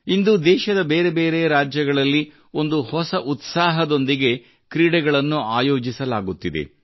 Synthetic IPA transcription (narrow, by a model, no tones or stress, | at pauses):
ind̪uːd̪ɛːʃɐd̪ɐbeːɾe̞be̞ːɾe̞ɾaːd͡ʒjɐɡɐɭɐlːi | o̞nd̪uhɔsɐʔut̪saːɦɐd̪o̞nd̪iɡe̞ | kɾiːɽɛɡɐɭɐnːuaːjo̞ːd͡ʒisɐlaːɡut̪ːid̪e̞̰